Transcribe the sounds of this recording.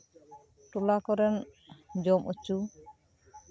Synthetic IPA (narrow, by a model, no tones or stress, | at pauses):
ʈulakɔɾɛnd͡ʒɔmʔut͡ʃu